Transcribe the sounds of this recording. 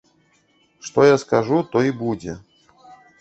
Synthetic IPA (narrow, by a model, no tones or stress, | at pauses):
ʂt̪ojaskɐʐut̪oibud͡zʲɪ